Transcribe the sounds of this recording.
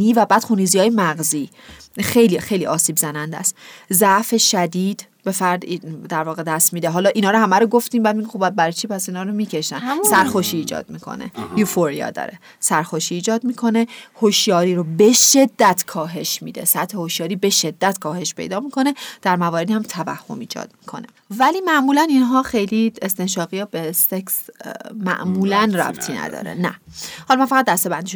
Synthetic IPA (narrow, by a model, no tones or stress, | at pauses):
iːvæbæːd̪xunizijɒːjemæɣziː | xejlixejliːʔɒːsiːbzænænd̪æ̰st̪zæʔfe̞ʃæd̪iːd̪̥ | be̞fæɾd̪d̪æɾvɒːɣe̞d̪æst̪miːd̪eɦɒːlɒːʔinɒːɾohæmæɾoɡo̞ft̪iːmbæd̪miɡʲixobæd̪̚bæɾɒjt͡ʃʰipʰæsiːnɒːɾomiːcʰe̞ʃt̪ænssæɾxoʃiːd͡ʒɒ̰ːd̪̥̚mikʰo̰nḛjufoɾijɒ̰ːd̪ɒ̰ɾe | sæɾxoʃiːd͡ʒɒːd̪miːkʰo̞nehoʃjɒːɾiːɾobe̞ʃe̞d̪ːæt̪ʰkʰɒːɦe̞ʃmḭd̪e̞̰sæt̪hehoʃjɒːɾiːbe̞ʃe̞d̪̥ːæt̪kʰɒːhe̞ʃpʰe̞̰jd̪ɒːmikʰo̞ned̪̥æɾmævɒːɾed̪ihæmt̪ʰævæ̰hːo̰miːd͡ʒɒ̰ːd̪̥̚mi̥kʰo̞̰ne | væliːmæʔmuːlæninɦɒːxejliest̪e̞nʃɒːɣijɒbeseksmæ̰ʔmuːlænræ̰bt̪ʰiːnæ̰d̪ɒ̰ːɾḛnæhɒlɒmænfæɣæt̪̚d̪æst̪e̞bænd̪iːʃ